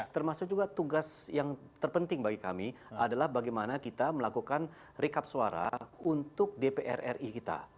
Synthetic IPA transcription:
t̪ərmasʊk̚d͡ʒuɡat̪uɡasjaŋt̪ərpənt̪ɪŋbaɡika̰mi | adalahbaɡajmanakit̪aməlakukan | rikap̚suaɾa̰unt̪ʊk̚depeʔɛ̰rɛ̰rikit̪a̰

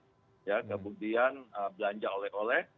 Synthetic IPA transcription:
jakəmudianəbəlaɲd͡ʒaʔolɛɦolɛh

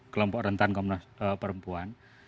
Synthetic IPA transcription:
kəlɔmpɔʔrənt̪ankɔmnɔsəpəɾəmpuan

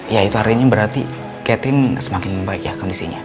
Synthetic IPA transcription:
jait̪uart̪iɲabəɾart̪ḭ | kɛt̪ɾɪnsəmakɪnbaɪk̚jahkandisḭɲa

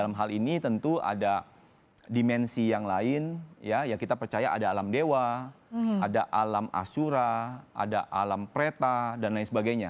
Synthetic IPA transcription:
alamɦalinit̪ənt̪ua̰da | dimɛnsijaŋlaɪnjajakit̪apərt͡ʃajaʔadaːlamdewa | adaʔalama̰suɾaʔa̰daʔalampəɾet̪adanlaɪnsəbaɡajɲa

